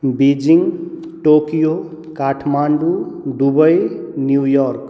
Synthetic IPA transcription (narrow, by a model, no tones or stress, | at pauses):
bid͡ʒiŋɡ | ʈokijokaʈʰmaɳɖud̪ubəjnjujɔɾk